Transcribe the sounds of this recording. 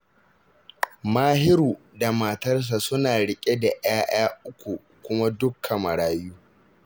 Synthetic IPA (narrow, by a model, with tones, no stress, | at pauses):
maː˦ɦɪ˦ɾuː˨ | da˨maː˨tɐ˦rs̬a˨sʊ˦naː˨ɽɪ˦kʲʼe˦da˨ʔɪ̰˦aː˦j̰aː˦ʔʊ˦kʷu˨ | kʷʊ˦ma˦dʊ˦kʰːɐ˨mɐ˨ɽaː˦juː˦